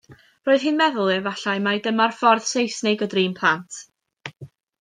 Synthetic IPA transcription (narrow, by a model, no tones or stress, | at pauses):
roːɨð̥hɨːnmɛðʊlˠɨvaɬaɨmajdəmarfɔrð̥sejsnejɡɔdriːnpʰlˠantʰ